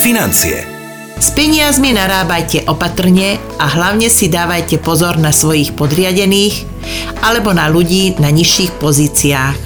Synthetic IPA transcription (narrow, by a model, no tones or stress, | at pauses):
finant͡sḭɛ̰ | spɛɲɪazminaɾaːbajcɛʔɔpat̪r̩ɲɛ | aɦlaʊɲɛsid̪aːʋajcɛpɔzɔɾnasʋɔjiːxpɔd̪ɾɪaɟɛniːx | alɛbɔnaluɟiːnaɲiʃːiːxpɔziːt͡siaːx